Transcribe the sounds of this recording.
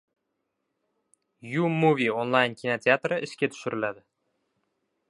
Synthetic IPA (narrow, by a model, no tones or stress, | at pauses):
jumuvʲionlˠajnkʲʰinot̪ʰʲeat̪rəʔɪ̆skʲet̪ʰɵ̥ʃɪɾʔɪlæd̪ɪ